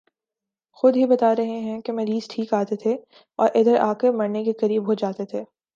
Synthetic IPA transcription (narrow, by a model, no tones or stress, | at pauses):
xʊd̪ɦibɐt̪aːɾɐɦeɦɛ̃kemɐ̃ɾiːzʈʰiːkaːt̪et̪ʰe | ɔːɾʔɪd̪əɾʔaːkemɐɾnekekɐɾiːbɦod͡ʒaːt̪et̪ʰeː